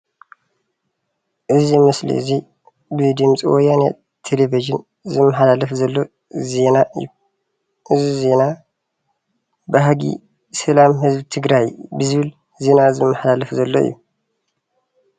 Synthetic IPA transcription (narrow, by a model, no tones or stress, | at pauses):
ʔɨzimɐslḭɨ̰zi | bɨd̪ɨmt͡sʼiwɔjanḛ | t̪ʰeleviʒɨn | zɨmːɐħalalɐfzɐlːo̞ | ze̞naʔɨ̰jːu | ʔɨzize̞na | bɨɦaɡḭ | sɐlamɦɨzbt̪ʰɨɡɾajbɨzɨβɨl | ze̞nazɨmːɐħalalɐfzɐlːoɨ̰jːu